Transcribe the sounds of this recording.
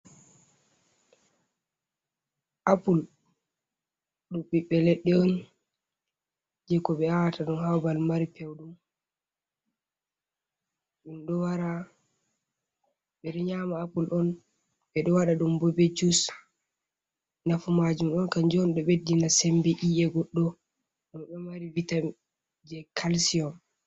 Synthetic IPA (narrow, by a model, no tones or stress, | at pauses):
ʔapul | ɗuɓiɓɛlɛɗːɛɔn | d͡ʒɛkɔɓɛawataɗunhawbalmaɾipɛwɗum | ɗumɗɔwaɾa | ɓɛɗɔɲamaːpulʔɔn | ɓɛɗɔwaɗaɗumbɔbed͡ʒus | nafumad͡ʒumɗɔnkand͡ʒɔnɗɔɓedːinasɛmbɛʔiɛɡɔɗːɔ | ɗɔmɗɔmaɾivita | d͡ʒɛkʰalsiɔm